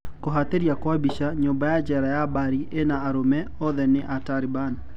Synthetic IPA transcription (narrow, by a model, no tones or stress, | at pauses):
kɔɦat̪eɾjakwabiʃaɲobajad͡ʒɛɾajabaɾiʔenaːɾomɛ | ɔðɛnɪʔataɾɪban